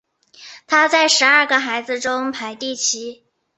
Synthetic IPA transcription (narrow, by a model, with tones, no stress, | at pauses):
t̪ʰa˥t͡sa˥˩ɪʂɻ̩˧˥ɐ˞˥˩ɡə˩xa˧˥ɪd͡zɹ̩˧ʈ͡ʂʊ˥ŋpʰa˧˥ɪt̪i˥˩t͡ɕʰi˧˥